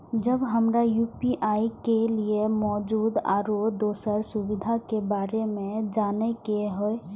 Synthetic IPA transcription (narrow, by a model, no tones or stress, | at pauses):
d͡ʒəbɦəmɾajuːpiʔaːikeliemɔːd͡ʒuːd̪a̰ːɾod̪oːsəɾsʊwɪd̪ʱakebaːɾemẽd͡ʒaːnekeɦoe